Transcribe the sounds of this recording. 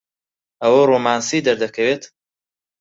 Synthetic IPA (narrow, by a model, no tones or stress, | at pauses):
ʔɐwɐroːmaːnsiːd̪ɐɾd̪ɐkʰɐweːt̪